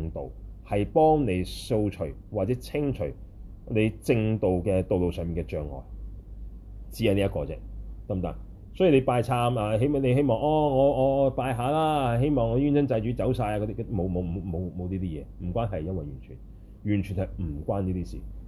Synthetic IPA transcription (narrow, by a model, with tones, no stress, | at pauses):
ŋt̪o̰˨whɐ˨jpɔː˥ŋne˨˧jso˧wt͡ʃʰɵ̰˨˩ɥwaː˨t̚t͡sɛː˨˦˥t͡sʰɪ˥ŋt͡ʃʰɵ˨˩ɥ | ne˨˧jt͡sɪ˧ŋt̪o˨wkɛː˧t̪o˨wlo˨wsœː˨ŋmiː˨nkɛː˧t͡ʃœː˨ŋːɔ̰ː˨˩j | t͡siː˧˨˥ja˨˧ni˦˥ɐ˥tkɔː˧t͡sɛ̰ː˦˥kɐ˥mt̪a̰ː˧˥n | sɔː˨˥jyː˨˩le˨˧paː˧jt͡sʰaː˧maː˧ɦe˥jm˨ne˨˧jɦe˥jmɔː˨˩ŋɔː˧ŋɔː˨˧ŋɔː˨˧paː˧jɦaː˨˧laː˥˨ɦe˥jmɔː˨ŋːɔː˨˧jyː˥nsɐ˥nt͡sɐ˧jt͡ʃyː˨˧˥t͡sɐ˨˥wsaː˧ja˧kɔ˧t̪iː˥kɔ˨˧i˥mo˨˧wmo˨wmo˨˧wmo˨˧wmo˨˧wniː˥t̪iː˥jɛ̰ː˨˧m̩˨˩kʷaː˥nɦɐ˨˩jjɐ˥nwɐ˨jɥyː˨˩nt͡ʃʰy̰ː˨˩n | jyː˨˩nt͡ʃʰyː˨˩nhɐ˨jm̩˨˩kʷaː˥niː˥t̪iː˥sḭː˨˩